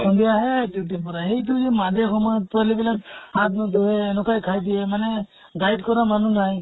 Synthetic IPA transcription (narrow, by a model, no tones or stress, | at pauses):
ɔnd̪ijaɦɛduʈipɔɾaɦejt̪̬uzɛmad̪ekʰɔmɔt̪alibilakhat̪̚nɔd̪uɦɛːnɔkajkʰajd̪iɛmanɛ | ɡajʈkɔɾamanunaj